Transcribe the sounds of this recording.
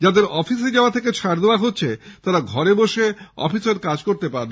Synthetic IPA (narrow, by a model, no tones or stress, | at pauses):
d͡ʑad̪eɾɔfis̬ed͡ʑaat̪ʰeket͡ɕʰaɾd̪eoaɦotːʰet̪aɾaɡʱɔɾeboʃeɔ̰fiseɾkad͡ʑkoɾt̪epaɾn